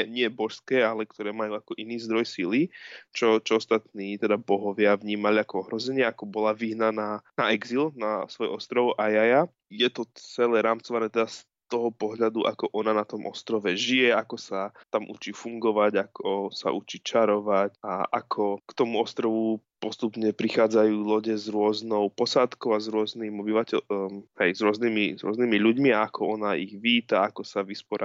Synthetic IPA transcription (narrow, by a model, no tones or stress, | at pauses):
ɛɲɪɛbɔʃskɛːalɛkt̪ɔɾɛːmajuakɔʔiniːzd̪ɾɔjsilit͡ʃɔt͡ʃɔɔst̪at̪niːt̪ɛd̪abɔɦɔʋɪaʋɲiːmaliakɔɔɦɾɔzɛɲɪɛakɔbɔlaʋiɦnanaːnaɛɡzilnasʋɔjɔst̪ɾɔwʔajaja | jɛt̪ɔt͡sɛlɛːɾaːmt͡sɔʋanɛːt̪ɛd̪as | t̪ɔɦɔpɔɦʎad̪uʔa̰kɔʔɔnanat̪ɔmʔɔ̰st̪ɾɔʋɛʒijɛakɔsat̪amʔṵt͡ʃifuŋɡɔʋaɟakʰɔsa̰ʔut͡ʃit͡ʃaɾɔʋacaʔa̰kʰɔkt̪ɔmuɔst̪ɾɔʋu | pɔst̪upɲɛpɾixaːd͡zajuːlɔɟɛzɾʊɔznɔʊpɔsat̪kɔʊazɾʊɔzniːmɔbiʋacɛɦɛjzɾʊɔzniːmizɾʊɔ̰zniːmiʎuɟmiaakʰɔɔnaiɣʋiːt̪aakɔsaʋispɔɾʔa